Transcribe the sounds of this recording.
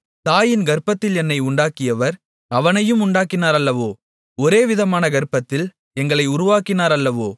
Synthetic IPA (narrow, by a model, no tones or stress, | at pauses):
t̪aːjɪnɡɐɾɯpːɐt̪ːɪlɛnːɐɪʊɳɖaːkːɪjɐʋɐɾ | ɐʋɐnɐjɯmʊɳɖaːkːɪnaːɾɐlːɐʋoː | ɔɾeːʋɪðɐmaːnɐɡɐɾɯpːɐt̪ːɪl | ɛŋɡɐɭɐɪʊɾʊʋaːkɪnaːɾɐlːɐʋoː